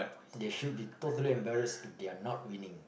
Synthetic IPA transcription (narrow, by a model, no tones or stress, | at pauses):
deʃud̚bitotəliɛ̃mbɛɹəsifdeanɔt̚wĩnĩŋ